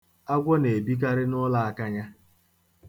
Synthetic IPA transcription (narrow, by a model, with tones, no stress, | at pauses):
a˦ɡʷɔ˦ne˨bi˦k̬a˦ɾɪ˦nʊ˦la˨a˦ka˦ɲa˦